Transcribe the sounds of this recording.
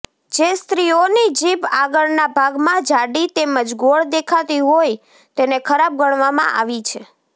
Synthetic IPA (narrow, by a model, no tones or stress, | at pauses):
d͡ʒest̪ɾionid͡ʒipaɡəɭnabʱaɡmãd͡ʒaɽit̪eməd͡ʒɡoɭd̪ekʰat̪iɦoj | t̪enekʰəɾab̚ɡəɽ̃ʋamã̰ʔa̰ʋit͡ʃʰe